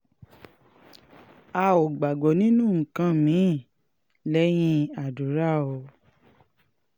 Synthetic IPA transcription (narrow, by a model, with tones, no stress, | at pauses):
a˧o˨ɡ͡ba˨ɡ͡bɔ˨nĩ˦nũ˦˨ŋ̩̃˨kã˧˦mĩ˨˦˨ | lɛ˦j̃ĩ˦˧a˨du˨˦ɾa˦˨o˧